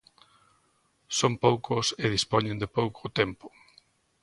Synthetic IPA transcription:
sompowkʊseðispoɲẽnd̪ɪpowkʰot̪empʊ̥

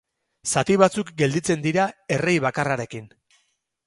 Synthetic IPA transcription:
sat̪iβat͡sukɡe̞ld̪it͡se̞nd̪iɾae̞re̞jβakaraɾe̞kin

